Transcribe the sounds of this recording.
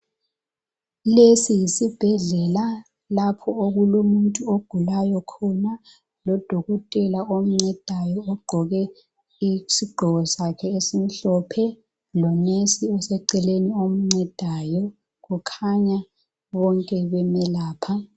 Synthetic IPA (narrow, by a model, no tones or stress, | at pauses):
lesijisib̥ʱɛɮɛla | lapʰɔoɣulomuntʼuoɡ̥ʱulajɔkʰɔna | lɔd̥ʱɔɣɔtʼɛlaom̩ŋ͡ǀɛd̥ʱajɔɔɡ͡ǃʱɔɣɛ | isiɡ͡ǃʱɔɣɔsakʰɛesim̩ɬɔpʰɛ | lɔnesiɛsɛǀɛleniom̩ŋ͡ǀɛd̥ʱajɔ | ɣukʰaɲa | βɔŋkʼɛβɛmɛlaːpʰa